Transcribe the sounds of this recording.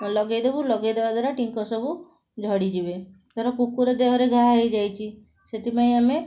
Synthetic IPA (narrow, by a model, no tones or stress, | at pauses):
lɔɡajd̪ebulɔɡajd̪ebad̪aɾaʈiŋkɔsɔbu | d͡ʒʱɔɽid͡ʒibe | t̪ɔɾɔkukuɾɔd̪eɦɔɾeɡʱaɦaɦejd͡ʒajt͡ʃʰi | set̪ipaj̃ame